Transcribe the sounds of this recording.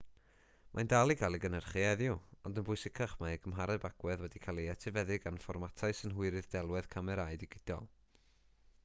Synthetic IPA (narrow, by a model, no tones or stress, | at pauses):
mʔandalˠikʰalˠiɡənərχiɛðjʊɔndənbʊɨsɪkʰaχmaɡəmɦaɾɛbaɡ̥wɛðwɛdikʰalˠiatʰɪvɛðɪɡanfɔrmatʰaɨsənɦʊɨɾɨðdɛlˠwɛð̥kʰamɛɾaɨdiɡɪd̥ɔ̰lˠ